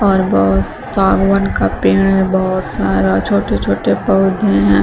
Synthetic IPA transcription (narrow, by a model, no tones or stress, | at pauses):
ɔːɾbɔɦʊt̪ | saːɡwənkapɾeːɽ̃ɛbɔɦʊt̪saːɾat͡ʃʰoːʈet͡ʃʰoːʈepɐːd̪ʱẽɦɛ̃ː